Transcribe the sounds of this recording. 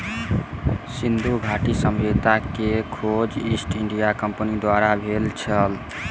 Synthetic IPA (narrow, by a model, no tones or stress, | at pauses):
sind̪ʱuɡʱaʈisəmet̪akekʰod͡ʒisʈiɳɖijakəmpənid̪waɾabʱelt͡ʃʰəl